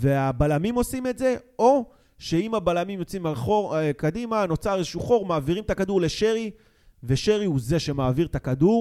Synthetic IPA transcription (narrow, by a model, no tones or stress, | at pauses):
ve̞abalamimo̞sime̞tze̞o̞ | ʃe̞imabalamimjo̞t͡simaχokadimano̞t͡saʁezeʃuχo̞ʁmaːviʁimt̪akaduʁle̞ʃe̞ʁi | ve̞ʃe̞ʁiuze̞ʃe̞maːviʁt̪akaduʁ